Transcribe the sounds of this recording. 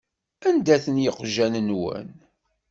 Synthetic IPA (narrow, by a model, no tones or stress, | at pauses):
ænd̪æθənjəqʒænənwə̰n